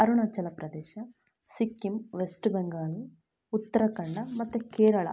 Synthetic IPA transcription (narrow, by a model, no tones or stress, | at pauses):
ɐɾuɳɐt͡ʃːɐlɐpɾɐd̪ɛːʃɐ | sikːimʋesʈbeŋɡaːlu | ut̪ːɐɾɐkɐɳɖɐmɐt̪ːɐkɛːɾɐɭɐ̰